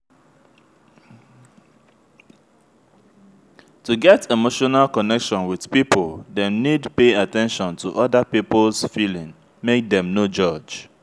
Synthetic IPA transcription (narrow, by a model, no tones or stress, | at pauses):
tuɡɛtemoʃɔnalkɔnɛkʃɔ̃nwið̥pipəldɛ̃nidpeatɛ̃nʃɔ̃ntʰuʔɔdapiplsfilĩŋ | mek̚dɛ̃mnod͡ʒɔd͡ʒ